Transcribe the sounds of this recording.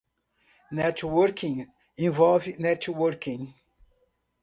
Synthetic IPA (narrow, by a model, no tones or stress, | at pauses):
nɛt͡ʃwəɾkʰĩŋ | ĩvɔlvɪnɛt͡ʃwəɾkĩŋ